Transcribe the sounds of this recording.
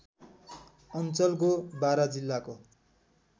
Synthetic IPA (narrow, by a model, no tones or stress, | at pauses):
ʌnt͡sʌlkobaɾʌd͡zilːako